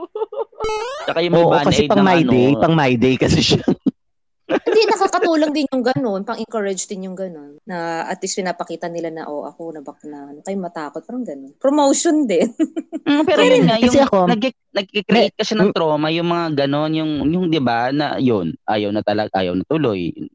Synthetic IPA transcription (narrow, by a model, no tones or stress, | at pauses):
t͡ʃɐkajʊŋmɐoʔoaːnkɐɛjpɐŋmajnɛjpɐŋmajd̪ɛjkɐsɛʃa | ɪnd̪inɐkaːkɐt̪uːloŋd̪ɪnjʊŋɡɐno̞npɐŋʔɪŋkɐɹɐd͡ʒd̪ɪnjʊŋɡɐno̞nːɐʔɐ̰t̪wispɪnaːpɐkiːt̪ɐnɪlanɐ̰ʔo̰ʔɐ̰konɐbɐk̚naʔɐnokɐjʊŋmɐt̪aːkot̪̚paːɾɐŋɡɐno̞npɾomowʃond̪ɪn̩pɛːɾojʊnŋajkɐʊsɛɐkonɐɡ̚ɪ | nɐɡ̚kikɾɛʔejt̪̚kɐʃanɐŋt̪ɾoːmɐjʊŋmɐŋaɡɐno̞njʊŋjʊŋd̪ɪbanɐ̰jonʔa̰ːjɐwnɐt̪ɐlɐɡʔa̰ːjɐwnɐt̪ʊlo̞j